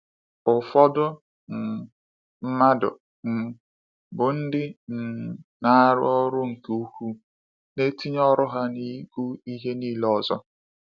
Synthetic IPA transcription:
ʊ˨fɔ˦dʊ˦ | n̩˨ | m̩˦ma˦dʊ̰˨ | n̩˨ | bʊ˨n̩˦dɪ˦n̩˨na˦ɾʊ̰˦ɔ˦ɾʊ˦ŋ̩˨ke˨u˦ku˦ | ne˦ti˦ɲ˦ɔ˦ɾʊ˦ɦa˦ni˦ɡu˦i˦ɦe˦niː˦lɔ˨zɔ˦

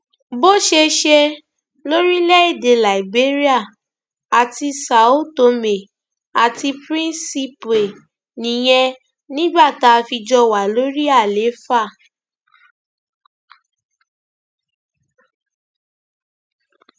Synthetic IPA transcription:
bo˦ʃe˧ʃɛ˧ | lo˦ɾi˦lɛ˦e˦˨de˨la˨i˨be˦ɾi˦a˦˨ | a˨ti˧sa˨o˦to˧me˨ | a˨ti˧pɾĩ˦nsi˧pe˨ | nĩ˨j̃ɛ̃˧ | nĩ˦ɡ͡ba˦˨ta˧fi˧d͡ʒɔ˧wa˨lo˦ɾi˦a˦˨le˨˦fa˦˨

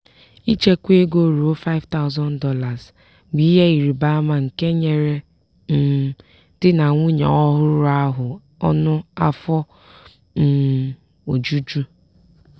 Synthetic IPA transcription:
i˦t͡ʃe˦kʷe˦ɡo˦ɾu˨o˦fa˦ɪ˦vta˦ʊ˦zɔ˦ndɔ˦la˨z | ɡ͡bi˦ɦe˦i˨ɾi˨ba˦a˦ma˨ŋ̩˨ke˦ɲe˨ɾe˦ | n̩˨ | d̥ɪ˦na˨ŋʷu˦ɲɔ̰˨ɔ˦ɦʊ˦ɾʊ˦ɾa˦ɦʊ˨ | ɔ̰˦nʊ˦a˦fɔ˦ | n̩˨ | o˨d͡ʒu˦d͡ʒu˦

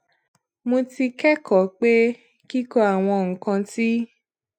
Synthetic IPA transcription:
mõ˧ti˧kɛ˦kɔ˨˦k͡pe˦ | ki˦kɔ˧a˨w̃ɔ̃˧ŋ̩˨kã˧ti˦

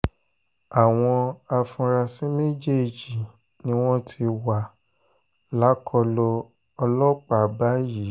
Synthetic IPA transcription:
a˨w̃ɔ̃˧a˧fũ˧ɾa˧sĩ˦me˦d͡ʒe˦˨d͡ʒi˨ | nĩ˦w̃ɔ̃˦tʰi˧wa˨ | la˨˦kʰɔ˧lɔ˧ | ɔ˧lɔ˦k͡pa˨ba˦ji˨˦

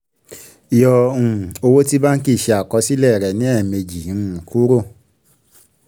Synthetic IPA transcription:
i˨jɔ˧˨ũ˨o˧wo˦ti˦ba˦n̩˦ki˦˨ʃe˧a˨kɔ˨˧˦si˦lɛ˦˨ɾɛ˨nĩ˨˦ɛ˦˨me˧d͡ʒi˨ũ˨kʰu˦ɾo˦˨

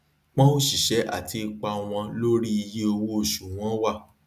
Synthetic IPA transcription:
k͡pɔ̃˦o˦ʃi˨ʃɛ˨˦ʔa̰˦˨tʰi˧i˧k͡pa˧w̃ɔ̃˧lo˦ɾi˦i˧je˦o˧wo˦o˦˨ʃu˨w̃ɔ̃˨˦wa˦˨

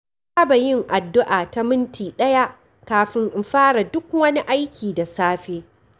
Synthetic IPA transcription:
baː˦ba˨jɪ˦˨ŋʔa˨dːʊ˦ʔaː˨ta˦mɪ˦ntiː˨ɗɐ˦ja˦ʔ | kaː˨ɸɪ˦ŋʔɪ˨mɸaː˦ɽa˨dʊ˦kwɐ˦ni˦ʔa˦jkʲʰiː˨da˨saː˦ɸeː˦

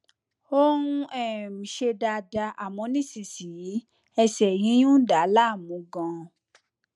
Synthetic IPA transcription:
o˦ũ˧ɛ˦˨mĩ˨ʃe˧da˧da˧ʔa˨mɔ̃˧˦nĩ˦˨si˨si˨ji˨˦ | ɛ˧sɛ˨jĩ˨˦jũ˦da˨˦la˦˨mũ˨˦ɡã˧

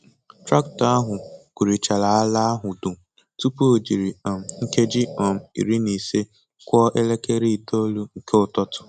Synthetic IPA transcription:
tɾa˦kta˦ɦʊ˨ku˨ɾi˨t͡ʃa˨la˨a˦la˦a˦ɦʊ˨du˨ | tu˦pu˦o˨d͡ʒi˨ɾi˨ɔ˨m̩˨ŋ̩˦ke˦d͡ʒi˦ɔ˨m̩˨ḭ˨ɾi˦ni˨se˦ | kʷɔ˦ʔe˦le˦ke˦ɾi˦˨to˦lu˦ŋ̩˨ke˦ʊ˦˨tɔ˦tʊ̥˨

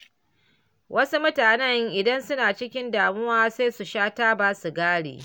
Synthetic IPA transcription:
wʔɐ˦su˦mʊ˦taː˨nɛ˦ŋʔɪ˨dɐ˦nsʊ˦naː˨t͡ʃɪ˦kʲɪ˦ndaː˨mʊ˦waː˦seː˦su˨ʃaː˦taː˦baː˦su˨ɡaː˦ɽḛː˨

